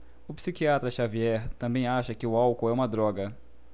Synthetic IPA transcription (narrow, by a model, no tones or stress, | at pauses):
ʊpsikiat̪ɾɐʃaviɛɾt̪ɐ̃mbẽj̃aʃɐkɪʊawkoɛũmɐd̪ɾɔɡɐ